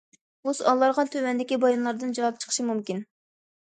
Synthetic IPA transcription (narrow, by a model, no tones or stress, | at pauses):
uzɑlˠːɑɾʁɑnt̪ʰøwɛnd̪ɪkʲibɑjɑnlˠɑɾd̪ɨnd͡ʒɑwɑp̚t͡ʃʰə̥qʰə̥ʃimumkʲin